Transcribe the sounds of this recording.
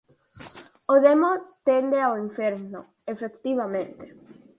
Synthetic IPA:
oðemot̪end̪eawiɱfeɾno | efekt̪iβamẽnt̪e̥

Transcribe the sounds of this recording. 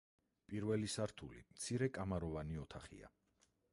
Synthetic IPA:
pʼiɾvɛlisaɾt̪ʰulḭmt̪sʰiɾɛkʼamaɾɔvaniɔt̪ʰaχḭa̰

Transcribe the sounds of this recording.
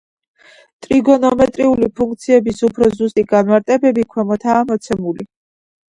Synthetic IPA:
t̪ʼɾiɡɔnɔmɛt̪ʼɾiulipʰuŋk̚t̪sʰiɛbisupʰɾɔzust̪ʼiɡanmaɾt̪ʼɛbɛbikʰwɛmɔt̪ʰaːmɔt̪sʰɛmuli

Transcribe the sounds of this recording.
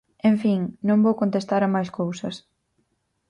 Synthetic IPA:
ẽɱfiŋnõŋbowkõnt̪est̪aɾɐmajskowsɐs

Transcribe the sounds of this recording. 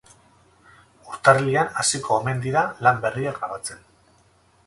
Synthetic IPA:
uɾt̪aɾlianasikʰoːme̞nd̪iɾalambe̞riaɡɾaβat͡se̞n

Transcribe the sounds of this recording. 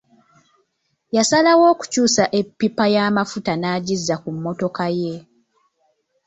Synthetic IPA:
jasalawo̞ːku̥cuːsaʔe̞pːipajaːmafutanaːɟizːakumːo̞to̞kaje̞

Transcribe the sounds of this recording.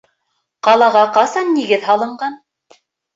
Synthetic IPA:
qɑlˠɑʁɑqɑsɑnːiɡɘðhɑlˠɤ̆ɴɢɑn

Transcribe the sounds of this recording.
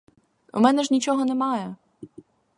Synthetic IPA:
ṵmɛnɛʒnʲit͡ʃɔɦɔnemɑjɛ

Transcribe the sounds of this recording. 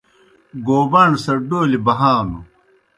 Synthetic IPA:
ɡoːbɐɳɖsɐɖoːlibɐɦaːnu

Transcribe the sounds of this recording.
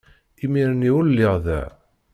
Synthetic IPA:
imiɾəniullːɪʁðæ̰

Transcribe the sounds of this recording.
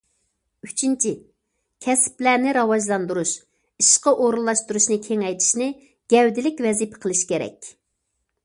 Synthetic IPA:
yt͡ʃʰint͡ʃʰi | kʲʰɛsplænɪɾɑwɑʒlˠɑnd̪uɾuʃ | iʃqəʔoɾulˠːɑʃt̪uɾuʃnɨkʲʰeŋɛjt̪ʰi̥ʃnɪ | ɡ̥ʲɛwd̪ɪlɪkʲwɛzipʰɛ̥qʰəlˠɨʃkʲeɾɛ̰kʲ

